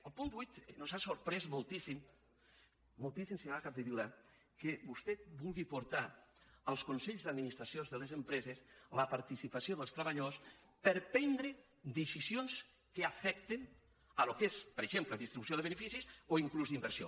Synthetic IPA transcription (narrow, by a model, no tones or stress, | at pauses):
əlˠpund̪βujt̪nozasoɾpɾɛzmolˠt̪isim | molˠt̪isimsɲakap̚d̪əβila | kebust̪ɛt̪̚bulˠɣipuɾt̪aəlˠskunsɛʎzðəd̪minist̪ɾasjonzðəlezempɾɛzesləpaɾt̪isipasioðəlˠst̪ɾəβaʎaðos | pəɾpɛnd̪ɾe | d̪əsizjons | kəafɛk̚t̪en | əlokespəɾeʒempləðist̪ɾiβusjoðəβ̞enəfisisoiŋkluzðimbəɾsjo